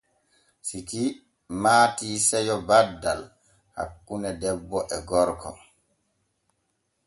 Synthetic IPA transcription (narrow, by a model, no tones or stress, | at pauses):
siki | maːtiːsɛjɔbadːal | ha̰kːunɛdɛbːɔʔɛɡɔɾkɔ̰